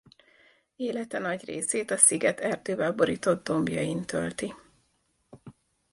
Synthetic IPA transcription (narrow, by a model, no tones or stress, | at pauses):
eːlɛt̪ɛnɒɟrḛːseːt̪ɒsiɡɛt̪ɛrd̪øːvɛlbo̞ɾiːt̪o̞d̪ːo̞mbjɒ̰jint̪ø̰lt̪i